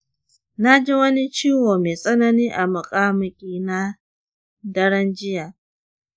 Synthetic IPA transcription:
na˦d͡ʒi˦wɐ˦ni˦t͡ʃiː˦woː˨meː˨sʼɐ˦nɐ˦niː˦ʔa˨mʊ˨kʼaː˦mʊ˦kʲʼiː˦na˦ | dɐ˦ɽɐ˦nd͡ʒɪ˦jaː˨

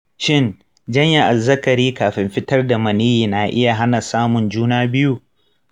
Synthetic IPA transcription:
ʃɪ˦˨n | d͡ʒɐ˦ɲja˨ʔa˨zɐ˦kɐ˨ɾiː˦kaː˨ɸɪ˨mɸɪ˦tɐ˦rda˨mɐ˨niː˦jiː˨naː˨ʔɪ̰˦ja˨ɦa˦na˨saː˦mʊ˨nd͡ʒuː˦naː˦bɪ˦ju˦

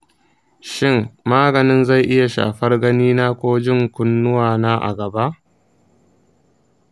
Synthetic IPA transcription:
ʃɪ˦˨ŋmaː˦ɡɐ˨nɪ˦nza˦˨jʔɪ˦ja˨ʃa̰ː˨ɸɐ˦rɡɐ˦niː˦naː˦kʷoː˦d͡ʒɪ˦˨ŋkʷʊ˦nːʊ˦waː˨naː˦ʔa̰˨ɡɐ˨ba˦ʔ

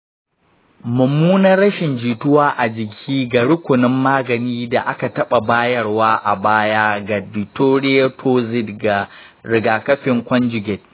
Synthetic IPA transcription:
mʊ˨mːuː˦nɐː˦ɐ˦ʃɪ˨nd͡ʒiː˨tʊ˦waː˦ʔa˨d͡ʒɪ˨kʲʰiː˦ɡa˨ɽʊ˦kʷʊ˨nɪ˦mːaː˦ɡɐ˨niː˦da˨ʔa˦ka˨tɐ˦ɓa˨baː˦jɐ˦˨rwaː˦ʔa̰˨baː˦jaː˦ɡa˨dɪ˨toː˦ɽɪ˦je˦tʰoː˦zɪ˦dɡa˨ɽɪ˨ɡaː˨kɐ˦ɸɪ˨ŋkʷɔ˦nd͡ʒʊ˨ɡʲɛ˨t̚

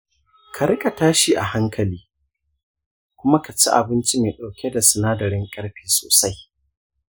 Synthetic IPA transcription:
kʰa˨ɾɪ˦kʼa˨taː˦ʃi˨ʔa˨ha˦ŋkʰɐ˨liː˦ | kʷʊ˦ma˦ka˨t͡ʃi˦ʔa̰˨bɪ˦nt͡ʃi˦meː˨ɗa˨wkʲe˦da˨sɪ˨naː˦dɐ˨ɽɪ˦ŋkʼɐ˦ɽɸiː˨so̰ː˨sa˦j

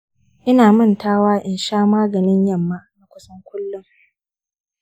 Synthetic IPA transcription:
ʔɪ˦naː˨mʊ˦˨ntaː˦waː˦ʔɪ˨nʃaː˦maː˦ɡɐ˨nɪ˦ɲjɐ˦˨mːa˦na˨kʷʊ˦sɐ˦ŋkʷʊ˦lːʊ˦ŋ

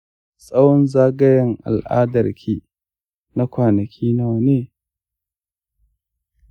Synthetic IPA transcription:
sʼɐ˦wɔ˦nzaː˦ɡɐ˦jɐ˦ŋʔa̰˨lʔa̰ː˦dɐ˨rkʰʲiː˦ | na˦kʷaː˨nɐ˨kʲʰiː˦na˦˨wneː˦

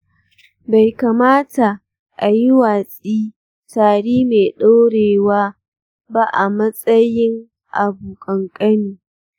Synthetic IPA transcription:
ba˨jka˨maː˦ta˨ | ʔa˨ji˦waː˨sʼiː˦ | taː˨ɽiː˦meː˨ɗo˦ɽeː˨waː˦ | ba˦ʔa˨mɐ˦sʼɐ˦jɪ˦ŋ | ʔa˨buː˨kʼɐ˨ŋkʼɐ˦niː˨

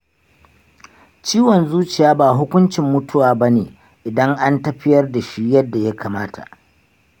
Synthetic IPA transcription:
t͡ʃiː˦wɔ˨nzuː˦t͡ʃɪ˨jaː˦baː˨ɦʊ˦kʷʊ˦nt͡ʃɪ˨mːʊ˦tʊ˦waː˨ba˦neː˨ | ʔɪ˨dɐ˦ŋʔa˦ntɐ˦ɸɪ˦jɐ˦rda˨ʃi˦jɐ˦dːa˨ja˦kʰaː˨maː˦tʰa̰˨ʔ

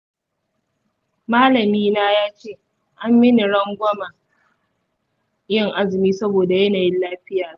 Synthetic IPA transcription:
maː˦lɐ˨miː˦naː˦jaː˦t͡ʃeː˦˨ | ʔa˦mːɪ˦ni˨ɽɐ˦ŋɡʷɐ˦ma˨ | jɪ˦ŋʔa˦zɪ˨miː˦sɐ˦boː˨da˨jɐ˦naː˨jɪ˦nlaː˦ɸɪ˦jaː˨

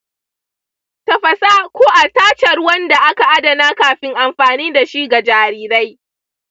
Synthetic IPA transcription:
tɐ˨ɸɐ˨saː˦kʷoː˦ʔa˨taː˦t͡ʃɐ˨rwɐ˦nda˨ʔa˦ka˨ʔa˦dɐ˨naː˦kaː˨ɸɪ˦ŋʔa˨mɸaː˨niː˦da˨ʃi˦ɡa˨d͡ʒaː˨ɾiː˨ɾa˦j

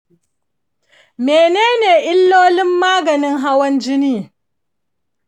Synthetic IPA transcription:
meː˨neː˦neː˨ʔɪ˦lːoː˦lɪ˦mːaː˦ɡɐ˨nɪ˦ŋɦa˦wɐ˦nd͡ʒɪ˦niː˦

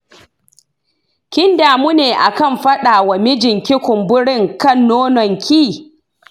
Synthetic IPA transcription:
kʲɪ˦ndaː˨muː˦neː˨ʔa˨kɐ˦˨mɸɐ˦ɗaː˨wa˨mɪ˦d͡ʒɪ˨ŋkʲɪ˦kʷʊ˨mbʊ˦ɽɪ˦˨ŋkɐ˦˨nːoː˦nɔ˨ŋkʲʰiː˦˨

